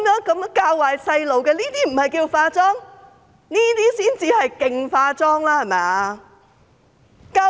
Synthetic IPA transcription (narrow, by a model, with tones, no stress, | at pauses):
mjœː˨˥ŋkɐ˨˥mkaː˧wwaː˨jsɐ˧jlo˨˩wkɛː˧niː˥t̪iː˥m̩˨˩hɐ˨jkiː˧wfaː˧t͡sɔː˥ŋ | niː˥t̪iː˥siː˥nt͡siː˧hɐ˨jkɪ˨ŋfaː˧t͡sɔː˥ŋlaː˥hɐ˨˩mɛː˨ | kaː˧